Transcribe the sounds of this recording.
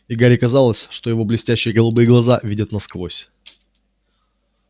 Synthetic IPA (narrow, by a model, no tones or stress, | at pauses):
iɡaɾʲɪkɐzalˠəsʲʂt̪ojɪvo̞blʲɪsʲtʲæɕːɪjəɡəlˠʊbɨjəɡlˠɐzavʲidʲət̪nɐskvosʲ